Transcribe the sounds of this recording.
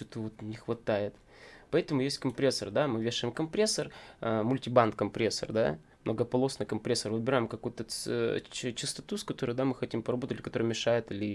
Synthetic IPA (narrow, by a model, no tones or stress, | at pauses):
t͡ɕot̪əvot̪nʲɪxvɐt̪ajɪt̪ | pɐɛt̪əmʊjesʲtʲkɐmpɾʲesːərd̪amɨvʲeʂɨjɪmkɐmpɾʲesːərmʊlʲtʲɪbant̪kɐmpɾʲesːə̰rd̪a̰ | mnəɡəpɐlˠo̞snɨjkɐmpɾʲesːərvɨbʲɪɾaɪmkɐkujʊt̪ə | t͡ɕɪst̪ɐ̥t̪uskɐt̪o̞ɾɨjʊd̪amɨxɐtʲimpəɾɐbot̪ətʲɪkɐt̪o̞ɾɨjmʲɪʂajɪt̪ɨlʲɪ